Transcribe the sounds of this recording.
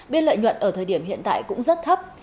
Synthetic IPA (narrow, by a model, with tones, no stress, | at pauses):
ɓi˧nlə̰ː˧˨jɲwə̰˧˨nʔəː˧˩t̪ʰəː˨˩jɗi˧˩əmɦḭ˧˨ənt̪a̰ː˧˨jkʊ̰˧˥ŋ͡mzə˦˥t̚t̪ʰə˦˥p̚